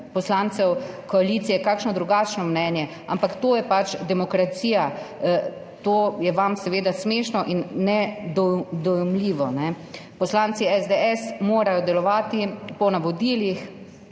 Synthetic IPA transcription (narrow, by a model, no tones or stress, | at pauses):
pɔslaːnt̪sɛwkɔalit̪sijɛkaːkʃnɔd̪ɾuɡaːt͡ʃnɔmnɛnjɛ | ampakt̪oːjɛpat͡ʃd̪ɛmɔkɾat̪siːja | t̪oːjɛʋamsɛʋeːd̪asmeːʃnɔʔinːɛd̪ɔd̪ɔjɛmliːʋɔnɛ | pɔslantsiɛzd̪eɛsmoːɾajɔd̪ɛlɔʋaːt̪ipɔnaʋɔd̪iːlix